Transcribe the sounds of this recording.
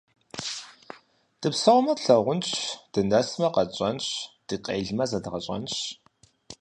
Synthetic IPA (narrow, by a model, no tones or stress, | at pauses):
d̥ɨpsɐʁʷmɐtɬɐʁʷʊnɕd̥ɨnɐsmɐqɐt͡ʃʼɐnɕd̥ɨqʼḛːɮmɐzɐdʁɐɕʼɐ̰nɕ